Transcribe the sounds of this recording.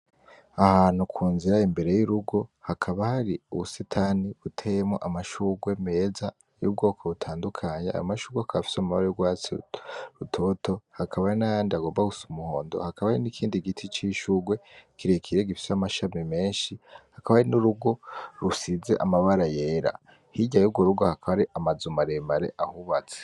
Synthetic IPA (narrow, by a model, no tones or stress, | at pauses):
ahaːn̥hukʰuːnziɾaimbe̞ɾe̞juɾuɡo̞hakʰaβahaɾiuβusetʰaniβutʰejemŋo̞̰ʔamaʃuːɡwe̞me̞ːza | jṵb̚ɡo̞ːkʰoβutʰaːndukʰaːɲea̰jo̰maʃuːɡwehakaβafi̥seamaβaɾejuɡwaːt͡sḭɾutʰo̞to̞hakʰaβaɾinajaːndiaɡo̞ːmbaɡusumuho̞̰ːndo̞̰hakaβaɾinikʰiːndiɡitʰit͡ʃiʃuɡwe̞kiɾekʰiɾeɡifi̥samaʃamime̞ːnʃihakaβaɾinuɾuɡo̞ɾusize̞ʔamaβaɾaje̞ːɾa̰ | hiɟajub̚ɡoɾuɡohakʰaβaɾiʔamazumaɾemaɾḛʔahuβat͡se̥